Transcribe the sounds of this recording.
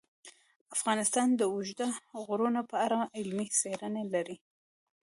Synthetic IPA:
afɣɑnɪst̪ɑnd̪əʊʒd̪aɣʊɾunapəaɾaɪlmiseɾənelaɾi

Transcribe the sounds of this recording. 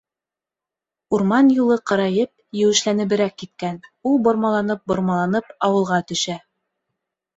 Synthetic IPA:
uɾmɑnjulˠɤqɤ̆ɾɑjɤp̚jɘ̆wɘ̆ʃlænɘ̆βɘ̆ɾækːit̪̚kænulˠbŏɾmɑlˠɑnɤp̚bŏɾmɑlˠɑnɤpɑwɤ̆lˠʁɑt̪ɵ̆ʃæ

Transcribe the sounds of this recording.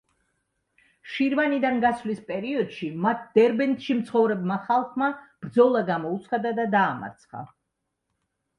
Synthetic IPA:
ʃiɾvanid̪anɡaslispʼɛɾiɔd̪̥ʃimat̪̚ʰd̪̥ɛɾbɛnt̪ʃimt̪sʰχɔvɾɛbmaχalˠχmab̥ɾd̪zɔlˠaɡamɔut̪sʰχad̪ad̪ad̪aːma̰ɾt̪sʰχa̰

